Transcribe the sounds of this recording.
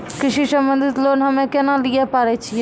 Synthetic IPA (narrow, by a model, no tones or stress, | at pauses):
kɪʃisə̃mbə̃nd̪ʱɪt̪loːnɦəmẽkɛnãliepaːɾet͡ʃʰie